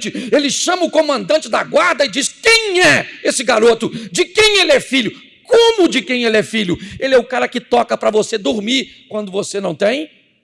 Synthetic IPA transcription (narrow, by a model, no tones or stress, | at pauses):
t͡ʃɪelɪʃɐ̃mɐʊkõmɐ̃nd̪ɐ̃nt͡ʃɪd̪ɐɡwaɾd̪ɐɪd͡ʒiskẽj̃ɛesɪɡaɾot̪ʊd͡ʒɪkẽj̃elɪɛfiʎjʊ | kõmʊd͡ʒɪkẽj̃elɪɛfiʎʊelɪɛʊkaɾɐkɪt̪ɔkɐpɾɐvosed̪oɾmiɾkwɐ̃nd̪ʊvosenɐ̃w̃t̪ẽj̃